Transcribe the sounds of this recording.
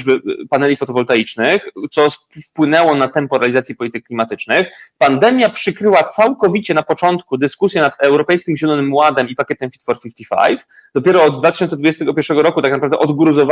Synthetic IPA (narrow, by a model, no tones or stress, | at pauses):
bɘpanɛlʲifɔt̪ɔvɔlt̪ajit͡ʂnɘxt̪sɔ | fpwɘnɛwɔnat̪ɛmpɔɾɛlʲizat̪sʲjɛpɔlʲit̪ɘkːlʲimat̪ɘt͡ʂnɘxpand̪ɛmʲjapʂɘkɾɘwat̪sawkɔvʲit͡ɕɛnapɔt͡ʂɔnt̪kud̪ɘskusʲjɛnat̪ɛwɾɔpɛjskʲimʑɛlɔnɘmwad̪ɛmipakʲɛt̪ɛmfʲit̪fɔɾfʲift̪ifa̰jf | d̪̥ɔpʲjɛɾɔːd̪d̪vat̪ɘɕɔnsɛd̪vud͡ʑest̪ɛɡɔpʲjɛɾʂɛɡɔɾɔkut̪ak̚napɾavd̪ɛʔɔd̪ɡɾuzɔv